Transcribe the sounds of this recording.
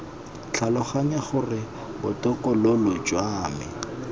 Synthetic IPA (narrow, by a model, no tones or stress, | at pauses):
t͡ɬʰalɔχaɲaχʊrɪ | bʊtʼɔkʼɔlɔlʊd͡ʒwaːmɪ